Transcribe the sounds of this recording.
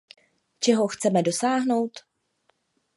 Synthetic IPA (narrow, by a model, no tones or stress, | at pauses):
t͡ʃɛɦoxt͡sɛmɛdo̞saːɦno̞wt̪